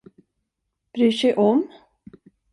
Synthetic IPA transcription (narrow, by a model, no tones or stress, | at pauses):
b̥ɾyːʂɛjʔɔm